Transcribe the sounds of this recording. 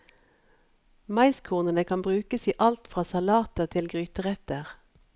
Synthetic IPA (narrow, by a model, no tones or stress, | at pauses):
mɑɪskʰuːnənəkʰɑmbʁʉːkəsiːʔɑlt̪fʁɑːsɑlɑːt̪əʁt̪ʰɪlɡʁyːt̪əʁɛt̪əʁ